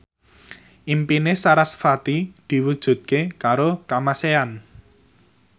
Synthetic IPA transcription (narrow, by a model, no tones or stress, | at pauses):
ʔimpinesaɾasfat̪id̪̥i̤wud̥ʒ̥ṳt̪̚kekaɾokamasean